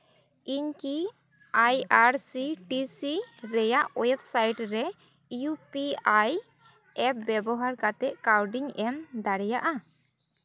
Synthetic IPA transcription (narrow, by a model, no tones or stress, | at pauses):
iɲki | ajaɾsiʈisiɾɛjaʔɔjɛbsajʈɾɛ | jupiaj | ɛp̚bɛbɔɦaɾkat̪ɛʔ̚kawɖiɲɛmd̪aɽɛjaʔa